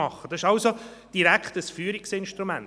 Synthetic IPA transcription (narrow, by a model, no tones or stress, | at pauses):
ɑχːəd̥ɑsɪʃɑlsod̥iɾækχtəsfyːɾiksɪnʃtɾumæn